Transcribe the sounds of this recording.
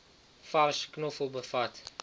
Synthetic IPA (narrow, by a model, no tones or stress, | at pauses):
faɾʃknufubəfat̪